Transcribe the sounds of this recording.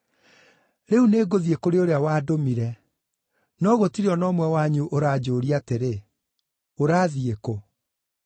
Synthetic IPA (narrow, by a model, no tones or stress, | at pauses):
ɾeuneːɡoðiekoɾeoɾeawaːdomiɾɛ | nɔɣotiɾɔnɔːmwɛwaɲuʔoɾaːd͡ʑoːɾiateɾe | oɾaːðieko